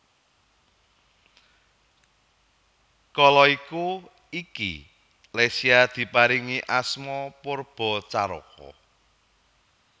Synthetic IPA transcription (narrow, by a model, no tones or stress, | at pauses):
kɔlɔiku | ikḭ | lesiad̪̥i̤paɾiŋiʔasmɔporb̥ɔ̤t͡ʃaɾɔ̰kɔ̰